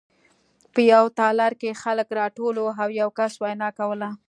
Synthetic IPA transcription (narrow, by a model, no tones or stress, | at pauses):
pəjawt̪ɑlaɾkexaləkɾɑʈoloɦawjawkaswajnɑkawəla